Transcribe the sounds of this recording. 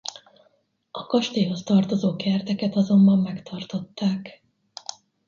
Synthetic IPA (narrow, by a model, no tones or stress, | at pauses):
ɒkɒʃt̪eːɦo̞st̪ɒrt̪o̞zoːkɛrt̪ɛkɛt̪ɒzo̞mbɒmːɛkt̪ʰɒrt̪o̞t̪ːaːk